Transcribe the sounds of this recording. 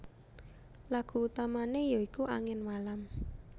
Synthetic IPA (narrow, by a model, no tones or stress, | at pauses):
laɡ̥ṳut̪amanejoikuʔa̰ŋɪnmalam